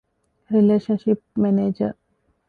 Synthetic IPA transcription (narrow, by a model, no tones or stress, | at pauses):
ɾileːʃənʃip̚mɛneːd͡ʒəɾ